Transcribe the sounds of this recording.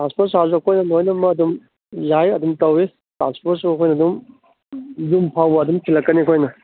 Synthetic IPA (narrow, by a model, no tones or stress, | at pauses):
tãnspʰoɾs̬hazuɐkʰojnɐnojnɐmɐːdum | zajɐdumtɐwi | ta̰nspʰoɾsuɐkʰojnɐdum | zumpʰawɐdumkʰilɐkːɐnikʰojnɐ